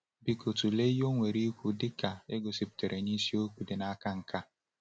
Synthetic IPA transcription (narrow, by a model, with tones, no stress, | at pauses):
bi˨ko˨tu˨le˦jo˦ŋʷe˨ɾi˦kʷu˦dɪ˦ka˨e˦ɡo˨si˦pi̥˨te˨ɾʔe˨ɲ˦i˦si˦o˦kʷu˨dɪ˨na˦ka˦ŋ̩˨ka˦